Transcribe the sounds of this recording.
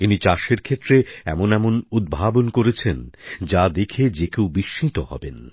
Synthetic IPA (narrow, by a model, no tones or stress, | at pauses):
init͡ɕaʃeɾkʰet̪ːɾeɛ̰monɛmonud̪̚bʱabonkoɾet͡ɕʰend͡ʑad̪ekʰed͡ʑekewbiʃːit̪ohɔ̰ben